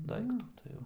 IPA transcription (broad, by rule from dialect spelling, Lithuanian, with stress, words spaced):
ˈdɐɪktuː tɐɪ ˈjɛʊ